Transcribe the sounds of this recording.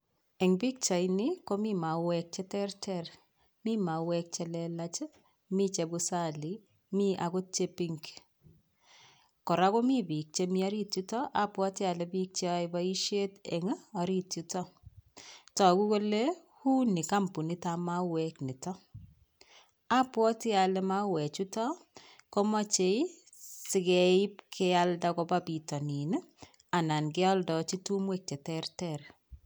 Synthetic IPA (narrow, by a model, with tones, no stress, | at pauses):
ɛ˨ŋbi˦k̚t͡ʃa˨ini˦ko˦mi˦ma˨wɛ˦k̚t͡ʃɛ˦tɛ˦rtɛr | mi˦ma˨wɛ˦k̚t͡ʃɛ˦lɛlat͡ʃe˦ | mi˦t͡ʃɛ˨bu˦sa˦˨li˨ | mi˦ʔa˨ko˦t͡ʃe˦piŋk | kɔ˨ɾa˦ko˦mi˦bi˨k̚t͡ʃe˦mi˦a˦ɾi˦tu˦tɔ˦ʔa˨pwa˦te˦a˨lɛ˨bi˦k̚t͡ʃajba˦i˦ʃe˦tɛ˨ŋa˦a˨ɾi˦tu˦tɔ˦ | tɔ˨ku˦ko˦le˦ | hu˦nːi˨ka˦mpu˨ni˦ta˦ma˦we˦kni˨tɔ˦ | a˦pwɔ˦tɪ˦a˨le˦ma˦wɛ˨t͡ʃu˦tɔ˦ | kɔ˦mɔ˦t͡ʃe˦i˦ | sɪ˨ɡɛ˨i˦pkʰe˦a˦lda˦kɔ˨ba˦bi˨tɔ˨ni˨n˦ | a˨na˨nɡɪ˦ɔ˦ldɔ˨t͡ʃi˦tu˦mwe˦k̚t͡ʃe˨tɛ˦rtɛr